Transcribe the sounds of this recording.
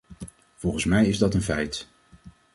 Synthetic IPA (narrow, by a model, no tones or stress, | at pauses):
v̥ɔlˠχənsmɛjɪzdɑtənfɛjt